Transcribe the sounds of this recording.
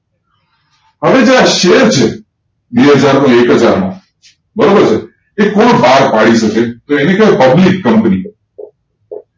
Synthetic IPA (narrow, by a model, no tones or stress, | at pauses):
ɦəʋed͡ʒãaʃeɾt͡ʃʰe | beɦəd͡ʒaɾnõekɦəd͡ʒaɾmã̰ | bəɾobəɾt͡ʃʰe | ekoɳbaɾpaɽiʃəket̪oenekaepəblikːəmpni